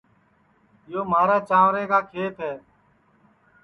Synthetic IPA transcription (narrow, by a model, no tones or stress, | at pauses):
ɪjoːmaːɾaːt͡ʃaːʋɾẽːkaːkʰeːt̪ɦɛː